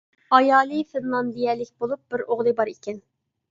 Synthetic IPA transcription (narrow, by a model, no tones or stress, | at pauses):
ɑjɑːlˠɨfɪnlˠɑnd̪ijɛlːɪkʲbolˠup̚b̥ɪɾoʁlˠɨbɑɾikʲɛn